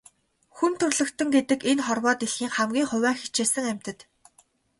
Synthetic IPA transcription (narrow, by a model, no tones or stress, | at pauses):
xunt̪ʰɵrɮɵ̆kt̪ɘ̆ŋɡet̪ɘ̆kenχɔrwɔːt̪iɮxiːŋχæmɡʲiːŋχʊ̟wæːŋxi̥t͡ɕeːsɘ̆ŋæm̥ʲt̪ɘ̆t̪